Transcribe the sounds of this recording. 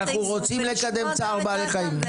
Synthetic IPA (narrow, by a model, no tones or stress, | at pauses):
aχnuʁo̞t͡simle̞kad̪e̞mt͡saʁbaleχaim